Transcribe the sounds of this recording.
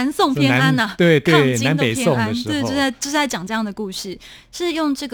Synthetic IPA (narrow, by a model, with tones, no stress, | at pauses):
a˧˥nsʊ˥˧ŋpʰjɛ˥nn˦a˥nə˨˩t̪we˥˩ɪt̪wʰe˥˩˥nt͡ɕ̪a˧˦npe˨˦ɪpʰjsɛ˥o˥˩ŋa˥˧we˥˩t͡ɕt͡ɕa˥˩t͡ɕjo˥˧ʂ̩˥˩a˥ɪt͡ɕɑ˨˩ŋʈ͡ʂɤ˥˧jɑ˥˩ŋdə˩ku˥˧ʂɻ̩˥˩ | ʂɻ̩˥˧jʊ˥˧ŋʈ͡ʂɤ˥˩ɡ